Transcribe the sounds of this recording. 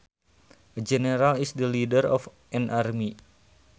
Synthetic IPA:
əd͡ʒɛneɾalisdəlidəɾɔ̰f | ɛnʔarmi

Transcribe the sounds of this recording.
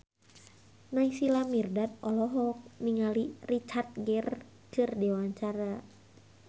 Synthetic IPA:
naisilamirdat̪̚ɔlɔɦɔk̚niŋalirit͡ʃart̪̚ɡɛr | kɨrdɛwaɲt͡ʃaɾa

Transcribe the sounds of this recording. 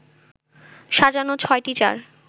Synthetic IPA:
ʃad͡ʑanot͡ɕʰɔeʈit͡ɕa̰ɾ

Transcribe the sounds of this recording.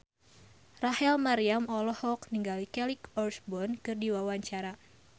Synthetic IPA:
rahɛlmaɾiamɔlɔhɔk̚niŋɡalikɛlikɔrsbɔnkɨrdiwawaɲt͡ʃaɾa

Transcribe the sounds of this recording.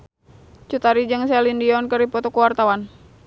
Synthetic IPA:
t͡ʃut̪aɾid͡ʒɨŋsɛlindiɔnkəɾipɔt̪ɔkuwart̪awan

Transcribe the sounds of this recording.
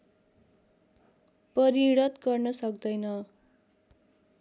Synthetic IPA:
pʌɾiɽʌt̪ɡʌrnʌsʌkd̪ʌjnʌ

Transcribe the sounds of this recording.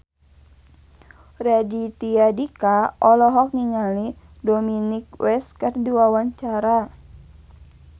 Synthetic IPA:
rɛdit̪iadikaɔlɔɦɔk̚niŋali | dominik̚wɛskɨrdiwawaɲt͡ʃaɾa

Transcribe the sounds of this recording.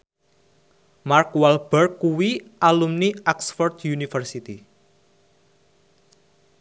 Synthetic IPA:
markwalb̥ɛrkːuwiʔalumniaksfɔrt̪junifərsit̪i

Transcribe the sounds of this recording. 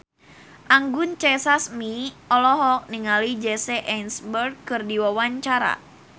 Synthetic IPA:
ʔaŋɡʊnt͡ʃɛsasmiɔlɔɦɔk̚niŋalid͡ʒɛsɛʔɛnsbərɡkɨrdiwawaɲt͡ʃaɾa̰

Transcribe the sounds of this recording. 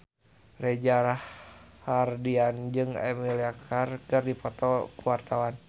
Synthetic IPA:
rɛd͡ʒaɾahːardiand͡ʒɨŋɛ̰miliakʰarkɨrdipɔt̪ɔkuwart̪awan

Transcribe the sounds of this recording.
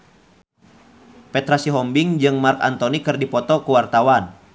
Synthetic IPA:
pɛt̪ɾasiɦɔmbiŋd͡ʒɨŋmarka̰nt̪ɔnikɨrdipɔt̪ɔkuwart̪awan

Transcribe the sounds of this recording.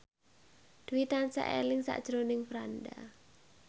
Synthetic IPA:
d̪̥wit̪ansa̰ʔḛlɪŋsa̰ʔd̥ʒ̥ɾonɪŋfɾanda

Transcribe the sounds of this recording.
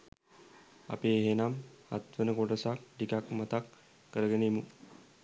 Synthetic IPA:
a̰peːɦenama̰t̪ʋənəkoʈəsak̚ʈikakmat̪akː | əɾəɡenemu

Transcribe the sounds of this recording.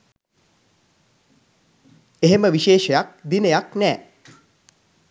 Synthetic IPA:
eɦeməʋiʃeːʃəjak̚d̪inəjaknɛː

